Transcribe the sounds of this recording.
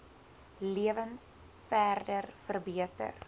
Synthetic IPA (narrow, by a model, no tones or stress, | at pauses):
liəvəns | fæːrdərfərbiətə̰r